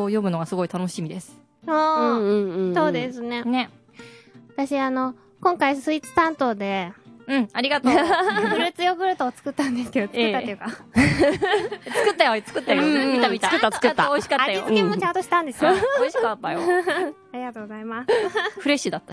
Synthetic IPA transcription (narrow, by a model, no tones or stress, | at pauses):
ojo̞mɯ̟no̞ɡasɨɡo̞it̪ano̞ɕimʲid̪e̞sɨ̥ | õː | so̞ːd̪e̞sɨne̞ne | at̪aɕiano̞ | kõ̞ŋkaisɨit͡sɨ̥t̪ãnt̪o̞ːd̪e̞ɯ̟̃ɴaɾʲiɡat̪oɡɯ̟ɾɯt͡sɨjoɡɯ̟ɾɯ̟t̪oːt͡sɨ̥kɯ̟t̪ːãnd̪e̞sɨ̥ke̞d̪ot͡sɨkɯːt̪ejɯ̟ka | t͡sɨ̥kɯ̟t̪ːajot͡sɨ̥kɯt̪ːajoiit̪amʲit̪aɯt̪ːat͡sɨ̥kɯːaooiɕi̥kataajiot͡sɨkimot͡ɕãnt̪o̞ɕi̥t̪ãnd̪e̞sɨjooiɕikat̪ːajo | aɾʲiɡat̪oːɡozaimasɸɯ̟ɾe̞ɕid̪at̪ːa